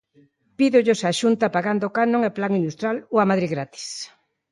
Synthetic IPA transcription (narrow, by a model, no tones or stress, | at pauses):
piðʊʎʊsaʃunt̪apaɣand̪okanõŋeplaŋinust̪ɾaloamaðɾiɣɾat̪i̥s